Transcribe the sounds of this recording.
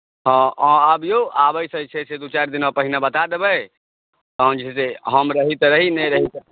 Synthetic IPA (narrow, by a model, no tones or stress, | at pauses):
ɦɔ̃ɔ̃əbjoabəjsət͡ʃʰɛsed̪ut͡ʃaɾd̪inməpəɦinabət̪ad̪ebəj | t̪ɔɦə̃nd͡ʒiiseɦəmɾəɦit̪ɾəɦinɛɾəɦit̪